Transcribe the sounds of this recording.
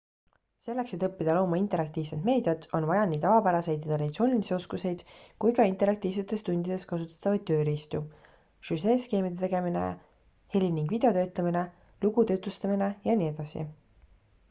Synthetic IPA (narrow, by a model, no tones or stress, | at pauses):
se̞lːe̞kse̞t̪ɤpːid̪̥ɑlo̞ːmɑint̪e̞ɾɑk̚t̪iːv̥sed̪̥me̞ːd̪jɑt̪o̞nvɑjɑnːiːt̪ɑvɑpæɾɑse̞jd̪jɑt̪ɾɑd̪it̪soːnʲilisio̞skuse̞jd̪̥kujkɑint̪e̞ɾɑk̚t̪iːvse̞t̪ːˑe̞st̪und̪id̪̥e̞skɑsut̪ːˑɑ̥t̪ːˑɑvɑjd̪t̪̚ːøːɾist̪u | ʃyseske̞ːmid̪et̪eɡe̞minḛ | he̞lʲiniŋɡ̥vid̪̥e̞o̞t̪ø̞ːt̪ːˑɑmine̞ | luɡ̥ut̪øːt̪ːˑust̪ɑmine̞jɑnie̞d̪̥ɑsḭ